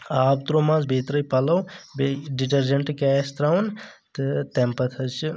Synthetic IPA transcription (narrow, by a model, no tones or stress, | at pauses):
aːb̚t̪ɾomãzbʱet̪ɾəjpɐlɐwbeɖiʈɐɾd͡ʒeɳʈkɛːst̪ɾawnt̪ɨt̪empɐt̪ʰɐt͡ʃʰi